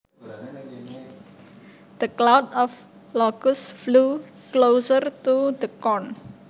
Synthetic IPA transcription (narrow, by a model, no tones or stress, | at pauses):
d̪̥əklawdɔf | lɔɡ̥ʊsflu | klowsərt̪ud̪əkɔn